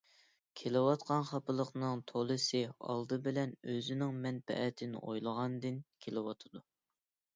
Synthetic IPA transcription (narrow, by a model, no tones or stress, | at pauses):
kʲʰelɪwɑt̪qʰɑnχɑpɨlˠəqnɨŋt̪ʰolˠɨsɨɑ̰lˠd̪ɨbɪlɛnøzɪnɪŋmɛnpʰɛ̰ʔɛt̪ʰɪnɪ̰ʔojlˠəʁɑnd̪ɨnkʲʰelɪwɑt̪ʰɨd̪u